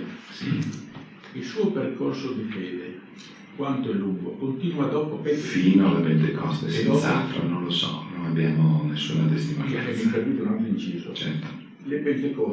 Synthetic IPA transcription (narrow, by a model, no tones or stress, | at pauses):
s | ilsuːoperkorsod̪ifɛːd̪e | kwant̪oeluŋɡokont̪iːnuad̪ɔːpopefiːnoalebend̪ekʰɔst̪esɔa̰t̪ɾo̰nõnlosɔ̰nonabjaːmonesːṵːnat̪est̪imaeɛmik̪ɾad̪iːt̪unant̪int͡ʃiːzot͡ʃɛɾt̪o̥ | lebɛnd̪ekɔ